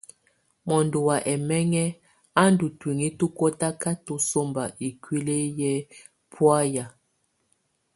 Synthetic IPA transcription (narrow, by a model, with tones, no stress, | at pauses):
mɔ˨ndu˨wa˨ʔɛ˨mɛ˦ŋɛ˦ | a˦ndu˨twi˨ŋi˦tu˦ko˦ta˦ka˦tu˦so˦mba˨i˨kwi˦le˦jɛ˦ | pʰwa˦ja˨